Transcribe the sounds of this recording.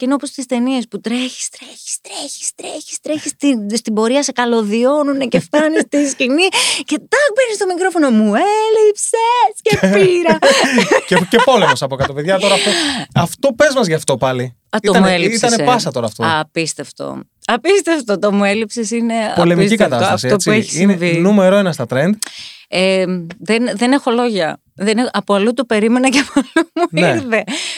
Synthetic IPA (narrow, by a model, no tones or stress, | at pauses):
ceineopost̪ist̪e̞nie̞sput̪ɾeçi̥st̪ɾeçi̥st̪ɾeçi̥st̪ɾeçi̥st̪ɾeçist̪ist̪ibo̞ɾiɐsekɐlo̞ðio̞nuneceft̪ɐnist̪iscinice̞t̪ɐbenist̪o̞mikɾo̞fo̞no̞muelipsescepiɾ | cecepo̞lemo̞sɐpokɐt̪opeðʝɐt̪o̞ɾɐoɐft̪o̞pe̞zmɐzʝɐft̪o̞pɐli | ɐtioɐmueliist̪ɐneepɐsɐt̪o̞ɾɐːft̪oɐpist̪eft̪o̰ | ɐpist̪eft̪ot̪omuelipsisine̞ɐolemiscik̪kɐt̪ɐsostɐɐsitopsueçisinevinumeɾoenɐst̪ɐt̪ɾend̪eðenðenexo̞lo̞ʝɐ | ðeneɐpoɐlut̪upe̞ɾime̞nɐcɐpoɐlumuneɾθe̞